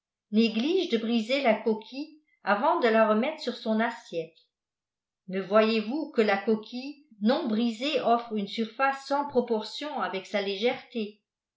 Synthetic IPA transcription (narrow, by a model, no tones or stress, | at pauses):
neɡliʒd̪əbʁizelakɔkʲʰi | avɑ̃d̪əlaʁəmɛt̪χsyʁsɔ̃nasjɛt̪ | nəvwajevukəlakɔkʲʰi | nɔ̃bʁizeʔɔfχynsyʁfasːɑ̃pχɔpɔʁsjɔ̃avɛksaleʒɛʁt̪e